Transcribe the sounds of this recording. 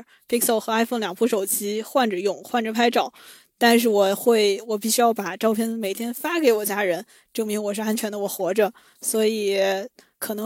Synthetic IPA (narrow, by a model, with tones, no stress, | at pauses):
pi˥ksɛ˥˩ʊxɤ˧˥a˥ɪfo˥˩ŋljɑ˨˩ŋpʰu˥ʂo˨˩ʊt͡ɕi˥xwa˥˩nʈ͡ʂə˨˩jʊ˨˩˦ŋxwa˥˩nʈ͡ʂə˨˩pʰa˥ɪʈ͡ʂɑ˨˩˦ʊ | t̪a˥˧nʂ̬ɻ̩˥˩wɔ˨˩xwe˥˩ɪwɔ˨˩pi˥˩ɕy˥jɑ˥˩ʊpa˨˩ʈ͡ʂɑ˥˧ʊpʰjɛ˥˩nme˨˩ɪt̪ʰjɛ˥nfa˥ke˧˥ɪwɔ˨˩t͡ɕja˥ɻə˧˥n | ʈ͡ʂɤ˥˩ŋmi˧˥ŋwɔ˨˩ʂɻ̩˥˧a˧˥nt͡ɕʰɥɛ˧˥nd̪ə˧wɔ˨˩xwɔ˧˥ʈ͡ʂə˧ | swɔ˧˥i˨˩ | kʰɤ˨˩nɤ˧˥